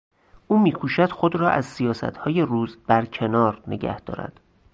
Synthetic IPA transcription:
ʔuːmiːkʰuːʃæd̪̥xod̪ɾɒːʔæ̰zsijɒːsæ̰t̪hɒːje̞ruːzb̥æɾcʰe̞nɒːɾnḛɟæ̰hd̪̥ɒ̰ːɾæ̰d̪̥

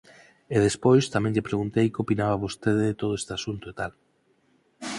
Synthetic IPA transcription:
eðespojst̪amɛ̃ŋʎepɾeɣunt̪ejkopinaβaβost̪eðeðet̪oð̞oest̪easunt̪oet̪al

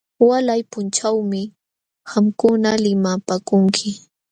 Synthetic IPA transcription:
walajpʊnt͡ʃawmɪ | hamkʊnalɪmapaːkʊŋkʰɪ

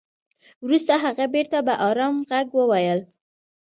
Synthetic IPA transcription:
wɾust̪aɦaɣabeɾt̪abaʔɑɾɑmɣaɡwəwajəl

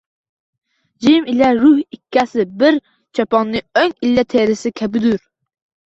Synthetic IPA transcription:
d͡ʒimilɛɾuhikʲʰːɛsɪbɪɾ | t͡ʃʰɑpɑŋnːɨøŋilːɛt̪ʰeɾɪsɪkʲʰɛbɪd̪uɾ

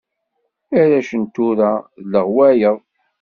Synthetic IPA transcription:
æɾæʃənt̪ːuɾæðləʁwæjəðˤ

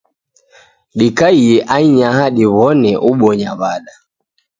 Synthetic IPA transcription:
ɗikaijɛʔaiɲahaɗiβɔnɛʔuɓɔɲaβaɗa

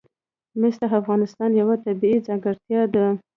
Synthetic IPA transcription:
mɪst̪aafɣɑnɪst̪ɑnjawat̪abiid͡zɑŋɡəɾt̪jɑd̪ə

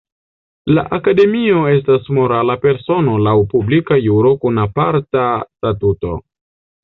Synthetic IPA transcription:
la̰ʔakade̞mio̞e̞stasmo̞ɾalape̞ɾso̞no̞lawpublikajuɾo̞kunapaɾtastatuto̞̰

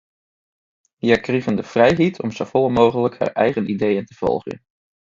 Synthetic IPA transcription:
ijakrivəndəv̥rɛjɦitʰɔ̰mz̥owvɔlˠəmowχələkha̰ːɹʔɛjχənidejəntəv̥ɔ̰lˠχə̰n

